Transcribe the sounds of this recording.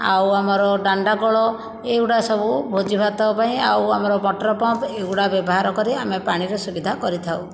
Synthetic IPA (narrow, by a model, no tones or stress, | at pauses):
a̰wamɔɾɔɖaɳɖaɡɔɭɔ | ewɽasɔbubʱod͡ʒibʱat̪ɔbɔpaĩawamɔɾɔbɔʈɾɔpɔmpeuɽabjɔbɔɦaɾɔkɔɾiamepaɽ̃iɾɔsubid̪ʱakɔɾit̪ʰaw